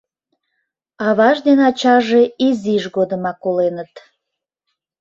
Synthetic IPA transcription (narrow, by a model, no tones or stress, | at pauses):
ɑβɑʒd̪enɑt͡ɕɑʒeiziʒɣod̪əmɑkolenət̪